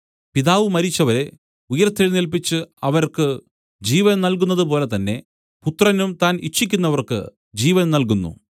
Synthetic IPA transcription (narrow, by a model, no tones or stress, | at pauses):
piðaːʋɨmɐɾit͡ɕːɐʋɐɾe̞ | ujɐrt̪ʰːilnilpit͡ɕːɨɐʋɐɾkɨ | d͡ʑiːʋɐnnɐlk̬unːɐðɨp̬o̞ːle̞t̪ɐnːe̞ | put̪rɐnumt̪aːnitt͡ɕʰːikʲːunːɐʋɐrkɨ̰ | d͡ʑiːʋɐnnɐlk̬unːṵ